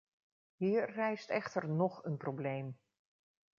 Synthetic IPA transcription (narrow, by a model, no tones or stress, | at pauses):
ɦiːɹːɛjstɛχtəɹnɔχənproblejm